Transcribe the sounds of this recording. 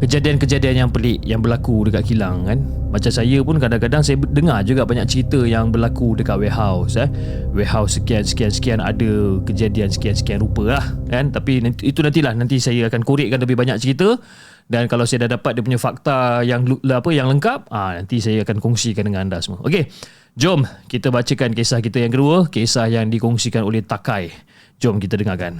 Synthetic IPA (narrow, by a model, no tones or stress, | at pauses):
kəd͡ʒadiankəd͡ʒadianjaŋpəlɪʔjaŋbərlakudəkatʔ̪̚kilaŋkan | mat͡ʃamsajəpʊnkadaŋkadaŋsajədəŋad͡ʒuɡaʔbaɲak̚t͡ʃəɾit̪əjaŋbərlakudəkat̪̚wɛɦawsɛ | wɛɦawsəkiansə̥kiansə̥kiana̰dəkəd͡ʒadiansə̥kiansə̥kianrɾupəlahkant̪apinit̪unant̪ilahnant̪isajəakankuɾɪʔ̚kːanləbɪhbaɲak̚t͡ʃəɾit̪ə | dankalawsajədahdapat̪̚diəp̬uɲafak̚t̪ajaŋapəjaŋləŋkap̚anãnt̪isajəakankɔŋsikandəŋãnandasəməʔo̰ke | d͡ʒɔmkit̪əbat͡ʃəkankesahkit̪əjaŋkəduəkesahjaŋdikɔŋsikanolɛht̪akaj | d͡ʒɔmkit̪ədəŋakan